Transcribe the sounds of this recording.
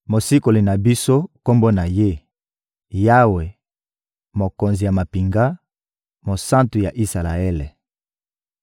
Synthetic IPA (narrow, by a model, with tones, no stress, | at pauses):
mo˨si˦ko˨li˨na˨bi˦so˦ko˦mbo˦na˨je˦ | ja˦we˨ | mo˨ko˨nzi˨ja˨ma˨pi˨ŋɡa˦ | mo˨sã˦ntu˨ja˨ʔi˦sa˨la˨e˦le˨